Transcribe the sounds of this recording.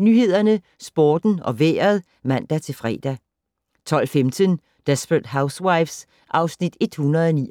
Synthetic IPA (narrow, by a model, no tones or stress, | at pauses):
nyhe̝ð̰ˠɐnə | sb̥oːd̥n̩ɒ̽ʋḛːɐð̞̩ˠ | mæn̰d̥æt͡sʰe̝lfʁɛ̰ːd̥æ | t͡sʰɒ̽l̰femt͡sʰən | d̥esb̥ʁəd̥ɦäʊswɑɪfs | ʔɑ̈ʊsnid̥e̝d̥hunɐð̩ˠɒnḭ